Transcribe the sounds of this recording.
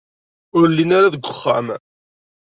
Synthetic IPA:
ʊɾlːinaɾaðəɡʷʊχːa̰m

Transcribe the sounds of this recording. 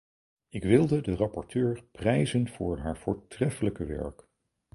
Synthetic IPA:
ɪkʋɪlˠdədərɑpɔɹtøːɹprɛjzənv̥ʊːɹɦaːɹv̥ʊːɹtrɛfələkəʋɛ̰ɹk

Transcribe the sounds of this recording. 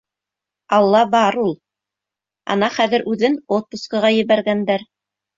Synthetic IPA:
ɑlˠːɑbɑɾulˠ | ɑ̰nɑχæðɘ̆ɾʔʉðɘnot̪̚pŭskqɤ̆ʁɑjɘ̆βæɾɡænd̪æɾ

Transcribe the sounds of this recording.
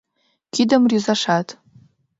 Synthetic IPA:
ɡ̥ʲidamruzaʂatʼ

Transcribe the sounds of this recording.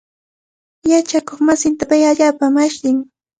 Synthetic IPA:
jat͡ʃakoχmasɪnt̪apajaʎaːpamaʃt̪ɪŋ

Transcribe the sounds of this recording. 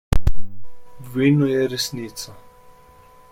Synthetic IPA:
dvinɔjɛɾɛsniːt̪sa

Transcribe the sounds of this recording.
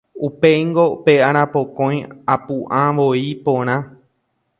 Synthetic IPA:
upeŋɡopeaɾ̃ãpokõj̃apuʔãʋoipõɾ̃ã

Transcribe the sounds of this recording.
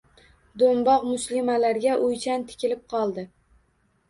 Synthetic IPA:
d̪ombɒqmʊslɪmalaɾɡʲaʔʊjt͡ʃʰant̪ʰɪ̥kʲɪlɪp̚qʰɒlˠd̪ɪ

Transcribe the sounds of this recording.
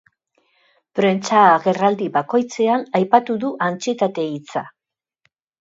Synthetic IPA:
pɾe̞nt͡saɣe̞rald̪iβako̞jt͡se̞anajpat̪uðuʔant͡siet̪at̪e̞it͡sa

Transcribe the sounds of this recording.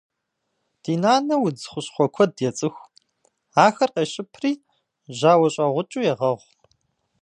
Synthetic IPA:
d̥iːnaːnɐwʊd͡zχʷʊɕχʷɔkʷʰɔdjɛt͡sʼɨxʷ | aːxɐrqeːɕʼɪpʰriː | ʑaːwɐɕʼɐʁʷʊt͡ʃʼuːjɛʁɐʁʷ

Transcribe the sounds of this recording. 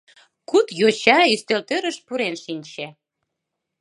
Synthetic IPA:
kut̪jot͡ɕɑyst̪ølt̪øɾəʃpuɾenʃinʲt͡ɕe

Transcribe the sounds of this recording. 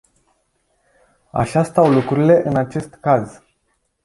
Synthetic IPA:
a̰ʃast̪awlukɾuɾile̞ʔɨnat͡ʃe̞st̪kaz

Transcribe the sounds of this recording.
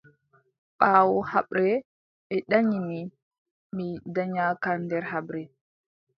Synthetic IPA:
ɓaːwɔhaɓɾɛ | ɛɗaɲimi | midaɲakandɛɾhaɓɾɛ

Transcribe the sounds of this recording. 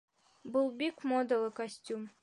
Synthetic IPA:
bʊlˠbikmod̪əlˠɤkɐsʲtʲum

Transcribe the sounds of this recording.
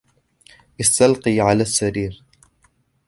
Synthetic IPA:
ʔɪst̪alqiːʕalaːsːaɾiːɾ

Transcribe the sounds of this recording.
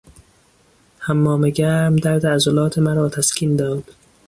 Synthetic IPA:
hæmːɒːmeɡæɾmd̪æɾd̪eːzolɒːt̪ʰemæɾɒːt̪ʰæskʰiːnd̪ɒːd̪̥

